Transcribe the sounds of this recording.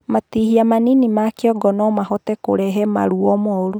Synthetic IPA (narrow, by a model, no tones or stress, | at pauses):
matihiamaninimakeɔɡɔnɔmahɔtɛko̰ɾɛɦɛma̰ɾuɔmɔoɾu